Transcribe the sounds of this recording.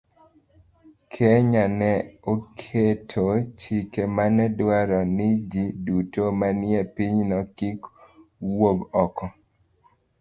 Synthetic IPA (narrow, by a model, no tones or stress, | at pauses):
kʰeɲanɛokʰetʰot͡ʃikemanɛdwaɾɔnɪd͡ʒidutomanɪepiɲnɔkikwoɡɔkɔ